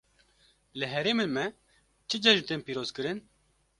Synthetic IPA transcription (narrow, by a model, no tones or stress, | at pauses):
lɨɦɛɾeːmenmɛ | t͡ʃʰɨd͡ʒɛʒnt̪eːnpiːɾoːzkɨɾɨn